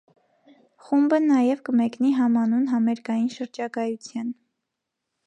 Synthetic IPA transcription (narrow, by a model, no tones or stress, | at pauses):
χumbənɑjɛvkəmɛkniɦɑmɑnunɦɑmɛɾkɑjinʃəɾd͡ʒɑkɑjut͡sʰjɑn